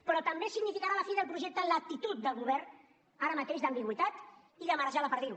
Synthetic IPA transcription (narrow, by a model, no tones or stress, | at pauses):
pɾɔt̪əmbesiɡnifikaɾaləfiðəlˠpɾuʒɛk̚t̪ələk̚t̪it̪ut̪̚d̪əlˠɣuβɛrn | aɾəmat̪eʒd̪əmbiɣwit̪at̪ | iðəməɾəʒaðəpəɾðiɾu